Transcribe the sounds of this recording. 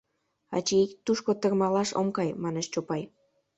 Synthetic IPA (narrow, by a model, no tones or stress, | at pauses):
ɑ̰t͡ɕeikt̪uʃkot̪ə̆rmɑlɑʃo̰mkɑjmɑnet͡ɕt͡ɕopɑj